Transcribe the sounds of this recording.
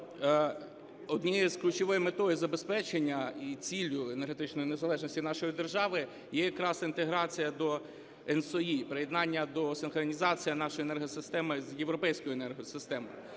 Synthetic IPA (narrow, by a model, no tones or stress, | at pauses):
ɔd̪nʲizklʲut͡ʃɔʋɔjimet̪ɔjɪzɐbespɛt͡ʃenʲːɐit͡sʲilʲʊenerɦet̪ɪt͡ʃnɔjinezɐlˠɛʒnɔsʲtʲinɑʃɔjid̪erʒɑʋɪ | jɛjɐkɾɑsint̪eɦɾɑt͡sʲijɐd̪ɔ | ɛnsɔjipɾɪjed̪nɑnʲːɐd̪ɔsɪnxɾɔnʲizɑt͡sʲijɐnɑʃɔjenɛrɦɔsɪst̪ɛmɪzjeʋɾɔpɛjsʲkɔjʊenɛrɦɔsɪst̪ɛmɔ̰jʊ